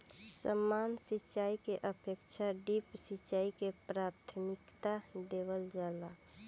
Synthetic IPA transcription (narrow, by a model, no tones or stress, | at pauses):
səmːansit͡ʃt͡ʃaikeʔəpʰekt͡ʃʰaɖipsit͡ʃaːikepɾat̪ʰmɪkt̪ad̪eβəld͡ʒaːla